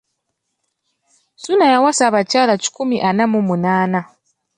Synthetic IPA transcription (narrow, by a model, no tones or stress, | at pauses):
sunajawasaβacaːlaci̥kumiʔanamumunaːna